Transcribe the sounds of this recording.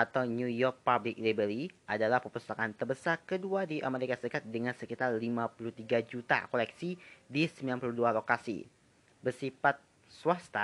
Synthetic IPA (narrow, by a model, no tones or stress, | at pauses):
ʔat̪awnujɔrk̚pablɪk̚libəɾiʔadalahpəpusakant̪ərbəsarkəduadiʔa̰meɾikasəɾikat̪̚dəŋansəkit̪arlimapuluht̪iɡad͡ʒut̪a̰kolɛksidisəmbilanpuluhdualokasḭ | bərsifat̪̚ | suast̪a